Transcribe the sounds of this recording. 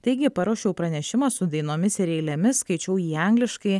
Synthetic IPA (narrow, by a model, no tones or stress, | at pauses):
t̪ɐɪɡʲɪpɐɾoːʃʲɛʊpɾɐnʲɛʃʲɪmɐːsʊd̪ɐɪnoːmʲɪsɪɾʲɛɪlʲɛmʲɪskɐɪt͡ʃʲɛʊjiːɐŋʲɡʲlʲɪʃkɐɪ